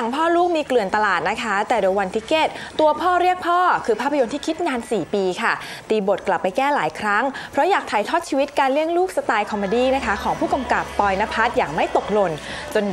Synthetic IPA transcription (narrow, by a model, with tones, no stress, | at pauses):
a˩˦ŋpʰɔː˥˩luː˥˩k̚miː˧klɯ˨˩ənt̪a˧laː˨˩t̪̚na˦˥kʰa˦˥t̪ɛː˨˩doː˧jwa˧nt̪ʰiː˦˥˩keː˥˩t̪̚ːu˧ɐpʰɔː˥˩ɾi˥˩ək̚pʰɔː˥˩kʰɯː˧pʰaː˥˩pʰːjo˧nt̪iː˥kʰi˦˥t̪̚naː˧nsiː˨˩piː˧kʰa˥˩t̪iː˨˩bo˨˩t̪̚kla˨˩pːa˧jkɛː˥˩laː˩˦jkʰɾa˦˥ŋpʰɾɔ˦˥jaː˨˩k̚t̪ʰaː˨˩˦jt̪ʰɔː˥˩t̪̚t͡ɕʰiː˧wi˦˥t̪̚kaː˧nli˥˩əŋluː˥˩k̚sa˧t̪aː˧jkʰɔ˧mo˧diː˧˩na˦˥kʰa˦˥kʰɔː˩˦ŋpʰuː˥˩ka˧mka˨˩pːɔː˧jna˦˥pʰa˦˥t̪̚jaː˨˩ŋma˥˩jt̪o˨˩k̚lo˧n | t͡ɕo˧n